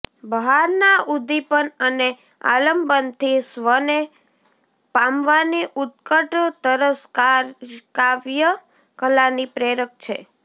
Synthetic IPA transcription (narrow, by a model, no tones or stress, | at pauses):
bəɦaɾnaud̪ipənəne | a̰ləmbənt̪ʰisʋəne | pamʋaniʔut̪̚kəʈt̪əɾəskakaʋjə | kəlanipɾeɾək̚t͡ʃʰe